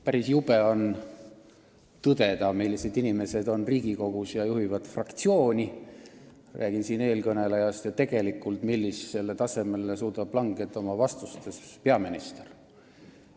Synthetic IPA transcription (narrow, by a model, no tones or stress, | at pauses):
pæɾisjub̥e̞o̞n | t̪ɤd̪̥e̞d̪ɑmilːise̞d̪inime̞se̞d̪o̞nriːɡ̥iko̞ɡ̥usjɑjuɦivɑd̪̥frɑkt̪sio̞ːnʲi | rʔæ̰ːɡ̥insiːne̞ːlkɤne̞lejɑst̪jɑt̪e̞ɡ̥e̞likːˑult̪milːisse̞lːe̞t̪ɑse̞me̞lːesuːd̪ɑb̥̚pːlɑŋɡ̥et̪ːˑo̞mɑvɑst̪ust̪e̞spe̞ɑminist̪er